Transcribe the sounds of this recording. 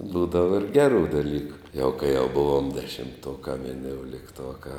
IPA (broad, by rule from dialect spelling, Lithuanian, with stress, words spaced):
ˈbuːdɐʋɐ ɪr ˈɡʲæːrʊ ˈdɑːlʲiːkʊ jɛʊ kɐɪ jɛʊ ˈbʊʋoːm dʲɛʃʲɪmˈtuɔkɑː ʋʲɪnʲoːʊlʲɪkˈtuɔkɑː